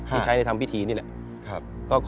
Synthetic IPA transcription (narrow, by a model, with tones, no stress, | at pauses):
iː˥˩t͡ɕʰa˦˥da˥˩jt̪ʰa˧mpi˥˩t̪ʰiː˧ni˥˩lɛ̰˨˩ʔ | kʰ | kɔː˥˩kʰ